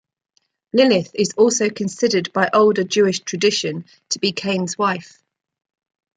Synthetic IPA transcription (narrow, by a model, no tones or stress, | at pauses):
lɪlɪθɪzɔˑlˠsəʊkʰə̃nsɪdədbaɪʔəʊlˠdəd͡ʒʉːɪʃtʰɹ̥ədɪʃə̃n | tʰəbikʰẽɪ̃nzwaɪf